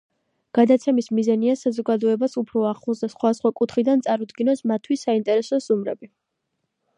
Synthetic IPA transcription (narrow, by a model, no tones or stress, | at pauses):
ɡ̥ad̪at̪sʰɛmismizaniasazɔɡad̪ɔɛbasupʰɾɔaχlˠusd̪asχwad̪asχwakʼut̪ʰχid̪ant̪sʼaɾud̪ɡinɔsmat̪ʰːwisaint̪ʼɛɾɛsɔsʼumɾɛ̰bi